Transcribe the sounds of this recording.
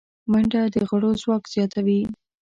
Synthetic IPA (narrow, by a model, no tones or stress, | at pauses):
maɳɖad̪əɣəɽozwɑkz̥jɑt̪awi